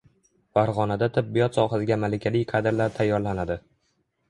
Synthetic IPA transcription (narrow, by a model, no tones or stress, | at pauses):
faɾʁɒnad̪at̪ʰɪbːijɒt̪sɒχasɪɡʲamalɪkʲʰalɪjqʰɑd̪ɾlaɾt̪ʰajːɒɾlanad̪ɪ